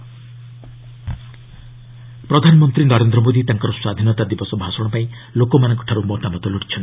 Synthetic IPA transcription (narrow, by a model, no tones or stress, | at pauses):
pɾɔd̪ʱanɔmɔnt̪ɾinɔɾend̪ɾɔmod̪it̪aŋkɔɾɔswad̪ʱinɔt̪ad̪ibɔsɔbʱasɔɽ̃ɔpaĩ | lokɔmanɔŋkɔ̥ʈʰaɾumɔtamɔt̪ɔluʈi̥t͡ʃʰɔn